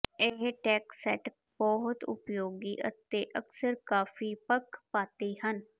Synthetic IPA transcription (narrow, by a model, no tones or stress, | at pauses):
eɦʈɛːksɛʈ | bɔɦʊt̪ʊ̰pjoːɡiːʔə̰t̪eːʔəksəɾkaːfiːpəkʰpaːt̪iːhən